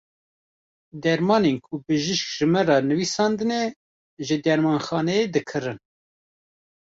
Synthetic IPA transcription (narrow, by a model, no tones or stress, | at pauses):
d̪ɛɾmɑːnenkʰubɨʒɨʃk̚ʒ̥ɨmɛrɑːnɨviːsɑːnd̪ɨne | ʒɨd̪ɛɾmɑːnxɑːnɛjed̪ɨkʰɨɾɨn